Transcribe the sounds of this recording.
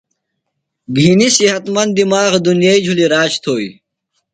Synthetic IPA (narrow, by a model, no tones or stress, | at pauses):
ɡʱinisiɦɐt̪mɐnd̪imaːɣd̪unjeid͡ʑʱuliɾaːt͡ɕt̪ʰoːi